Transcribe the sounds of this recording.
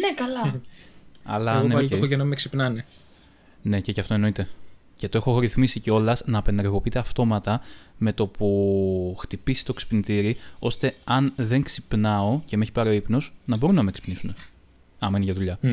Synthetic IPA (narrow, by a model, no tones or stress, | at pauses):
nekɐlɐ | ɐ̰lɐneoxoʝɐnɐmeksipnɐne | ne̞cecɐft̪o̞e̞no̞it̪e̞ | ce̞t̪o̞e̞xoɾiθmisiceo̞lɐznɐːpe̞nd̪eɾɣo̞piit̪eɐft̪o̞mɐt̪ɐme̞t̪o̞puxt̪ipisi̥t̪o̞ksi̥pnit̪iɾio̞st̪e̞ɐnðe̞ŋksipnɐo̞ce̞meçi̥pɐɾoipnosnɐbo̞ɾunːɐmeksi̥pnisune̞ | ɐmenʝɐðuʎɐ